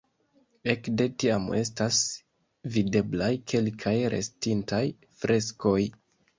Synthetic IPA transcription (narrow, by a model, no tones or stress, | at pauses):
e̞kde̞tiame̞stas | vide̞blajkʰe̞lkʰajɾʔe̞̰stintaj | fɾʔe̞sko̞j